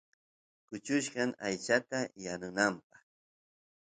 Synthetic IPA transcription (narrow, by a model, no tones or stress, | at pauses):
kʊt͡ʃʊʃɢɑŋajt͡ʃat̪ajanʊnampɑχ